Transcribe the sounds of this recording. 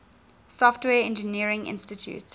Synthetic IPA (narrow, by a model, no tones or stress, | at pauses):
sɔftwɛːɛ̃nd͡ʒəniəɹɪ̃ŋʔɪ̰̃nstɪtʰjṵt